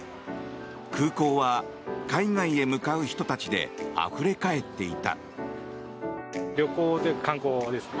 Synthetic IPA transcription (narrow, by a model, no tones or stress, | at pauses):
kʰɯːko̞ːβa | kaiŋaie̞mɯ̟kaɯ̟çi̥t̪o̞t̪at͡ɕid̪e̞̰a̰ɸɯ̟ɾe̞kae̞t̪ːe̞it̪a̰ | ɾʲo̞koːt̪ojkḁkãŋkoːd̪esɨ̥